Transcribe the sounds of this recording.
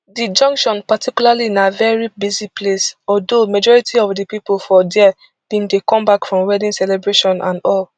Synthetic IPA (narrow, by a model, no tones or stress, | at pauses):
did͡ʒɔ̃ŋkʃɔ̃npatʰikulalinavɛɹibiziplesɔdomad͡ʒɔɹitʰiɔvdipipolfɔdɛɛ | b̥ĩndekɔ̃mbakfɹɔ̃mwɛdĩnsɛlebɹeʃɔ̃nʔã̰ndɔl